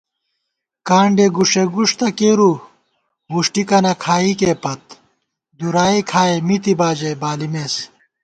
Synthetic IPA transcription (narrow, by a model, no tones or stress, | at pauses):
kaːɳɖeɡuʂeɡuʂt̪ɐkeːɾu | ɡuʂʈikɐnɐkʰaːikepɐt̪̚ | d̪uɾaːikʰaːemit̪ibaːd͡ʑebaːlimes